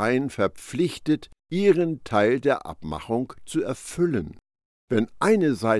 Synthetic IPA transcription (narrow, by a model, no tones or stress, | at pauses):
aɪənfɛɐp͡flɪçtətʔiːʁəntʰaɪldeːɐʔa̰pma̰χʊŋt͡suɛɐfʏlən | vɛnʔaɪnəzaɪ